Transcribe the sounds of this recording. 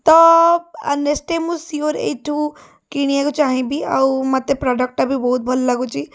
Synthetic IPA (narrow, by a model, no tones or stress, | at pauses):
t̪ɔɐnesʈemusioɾḛʈʰũ | kiɽ̃ieɡut͡ʃaːɦẽbʱia̰umat̪epɾaːɖək̚ʈabʱibɔɦut̪̚bʱɐllɐɡut͡ʃi